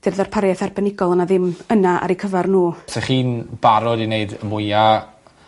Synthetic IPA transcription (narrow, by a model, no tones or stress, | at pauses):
d̥ɪrðɔrpʰaɾjɛθarbɛnɪɡɔlˠənaðɪmənaʔa̰ɾikʰəvarnuːsɛχiːnb̥aɾɔdineɨdəmʊja